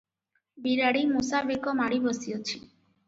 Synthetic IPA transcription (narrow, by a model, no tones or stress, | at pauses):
biɾaɽimusabekɔmaɽibɔsiot͡ʃʰi